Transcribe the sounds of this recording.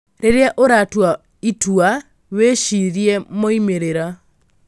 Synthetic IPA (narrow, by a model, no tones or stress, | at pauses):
ɾeɾeɛʔoɾatwa | itua | weʃiɾjɛmoimeɾeɾa